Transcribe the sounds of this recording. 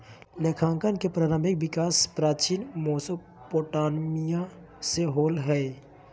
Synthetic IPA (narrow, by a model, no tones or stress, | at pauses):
leːkʰãːŋkənkepɾaːɾə̃mbʱɪk̚ʋɪkaːspɾaːt͡ʃiːnmoːsə | poːʈaːnmija | seɦoːlɦɛː